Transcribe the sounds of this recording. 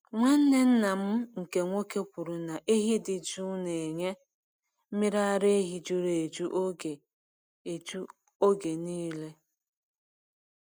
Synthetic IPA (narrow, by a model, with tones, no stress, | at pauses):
ŋʷa˦n̩˦ne˦n̩˦na˨m̩˦ŋ̩˨ke˨ŋʷo˦ke˦pʷu˨ɾu˨na˨ʔe˦ɦi˦dɪ˨d͡ʒu˦ne˨e˨ɲe˦ | m̩˦mɪ˦ɾa˦ɾe˦e˦ɦi˨d͡ʒu˦ɾe˨e˨d͡ʒu˦ʔo˦ɡe˨ | e˨d͡ʒu˦ | o˦ɡe˨niː˦le˦